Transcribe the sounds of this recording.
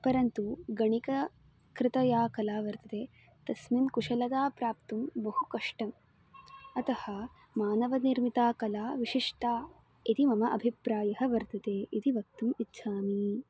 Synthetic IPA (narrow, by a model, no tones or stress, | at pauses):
pɐɾɐnt̪uɡɐɳikɐ | kɾɪt̪ɐjaːkɐlaːʋɐɾt̪ɐt̪eː | t̪ɐsminkuʂɐlɐt̪aːpɾaːpt̪umbɐhukɐʂʈɐm | ɐt̪ɐhɐ | maːnɐʋɐniɾmit̪aːkɐlaːʋiʂiʂʈaː | it̪imɐmɐʔɐbʱipɾaːjɐɦɐ̆ʋɐɾt̪ɐt̪eːʔit̪iʋɐk̚t̪umitːʃʰaːmi